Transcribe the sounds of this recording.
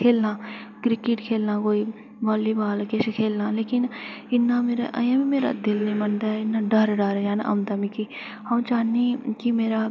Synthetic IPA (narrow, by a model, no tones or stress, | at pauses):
kʰeːlnaːkɾɪkɪʈkʰeːlnakoːi | baːlːibaːlkesekʰeːlnaːleːkɪnɪnːameːɾa̰ʔɐ̰jãbimeːɾa̰d̪ɪlnimɐnd̪aɪnːaɖɐɾɖaːɾjaːn̰ʔɐ̰mt̪amiki | hɐmt͡ʃaːnikimeːɾa